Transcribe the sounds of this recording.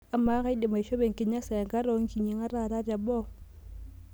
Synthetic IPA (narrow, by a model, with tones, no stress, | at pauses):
a˨ma˦ka˦i˦di˨ma˨i˨ʃo˦be˨ŋki˨ɲa˦sa˨ja˨ŋɡa˦ɾo˦ŋ˦ki˨ɲi˨ŋa˦ɾa˦˨ɾa˦da˨bo˦